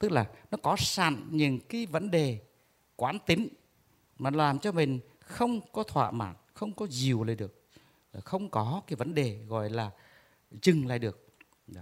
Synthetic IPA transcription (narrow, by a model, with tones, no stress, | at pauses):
t̪ɨ˦˥k̚laː˨˩nɔ˨˦kɔ˨˦sa̰ː˧˨nɲɨ̰˧˨˦ŋkaː˨˦jvə˧˦˥nɗe˨˩ | kwaː˨˦nt̪i˨˦ŋ | maː˨˩˦laː˨˩mt͡ɕɔ˧mï˨˩ŋ̟ | xə˧wŋ͡mkɔ˨˦t̪ʰwa̰ː˧˨ma̰ː˧˩nxə˧wŋ͡mkɔ˨˦zi˨˩əwlaː˨˩jɗɨ˨˩ək̚ː | xə˧wŋ͡mkɔ˨˦kaː˨˦jvə˨˦nɗe˨˩ɣɔ̰˧˨jlaː˨˩ | t͡ɕɨ˨˩ŋla̰ː˧˨jɗɨ˨˩ək̚